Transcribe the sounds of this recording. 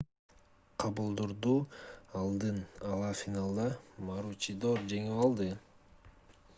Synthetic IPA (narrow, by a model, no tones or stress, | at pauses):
qʰɑβɯlˠd̪uɾd̪uːɑlˠd̪ɯnɑlˠɑfʲinalˠd̪ɑmaɾut͡ʃid̪oɾd͡ʒe̞ŋilˠɑlˠd̪ɯ